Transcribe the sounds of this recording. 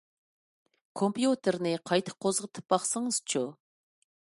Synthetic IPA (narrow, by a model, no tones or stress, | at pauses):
kʰompjut̪ɪɾnɨqʰɑjt̪ʰə̥qʰːozʁət̪ʰɨ̥p̚bɑχsəŋəz̥t͡ʃʰu